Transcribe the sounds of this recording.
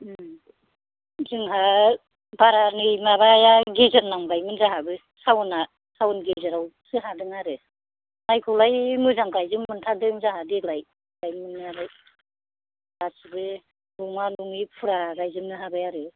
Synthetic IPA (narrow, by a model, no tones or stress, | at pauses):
zɯŋɦa | baɾanɯjmaβajaɡezaɾnːaŋbajmɯnzaɦabɯ | sawna | sawunɡezaɾaw | sɯɦadɯŋaɾɯ | najkʰɔlajmɯzaŋkajzɯmːɯntʰadɯŋzaɦadilaj | bajmɯnːɯabaj | asɯbɯ | luŋaluŋipʰuɾaɡajzɯmnɯɦabajaɾɯ